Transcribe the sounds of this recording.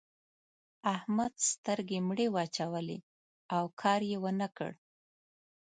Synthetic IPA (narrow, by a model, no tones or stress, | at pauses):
ahmad̪st̪əɾɡemɽewɑt͡ʃawəlḛ | awkʰɑɾjewənəkə̰ɽ